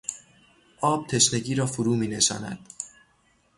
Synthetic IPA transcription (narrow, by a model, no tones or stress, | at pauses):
ʔɒːb̥̚t̪ʰe̞ʃne̞ɟiːɾɒːfoɾuːmiːne̞ʃɒ̰ːnæ̰d̪̥